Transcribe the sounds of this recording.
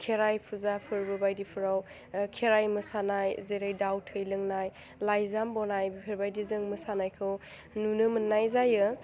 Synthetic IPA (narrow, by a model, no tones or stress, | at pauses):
kʰeɾajpʰuzapʰɯɾbɯbajdipʰɯɾaw | kʰeɾajmɯsanajzejɾajdawtʰɯjlɯŋnaj | lajzambɔnajbipʰeɾbajdizɯŋmɯsanajkʰɯw | nunɯmənːajzajɯ